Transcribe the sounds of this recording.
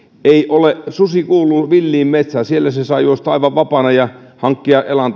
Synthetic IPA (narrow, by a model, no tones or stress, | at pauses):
eiʔoleʔsusikuːlːuʋilːiːmmet̪sæsielːæsesɑijuost̪ɑiʋɑʋʋɑpɑnɑjɑhɑŋkːiɑʔʔelɑnt̪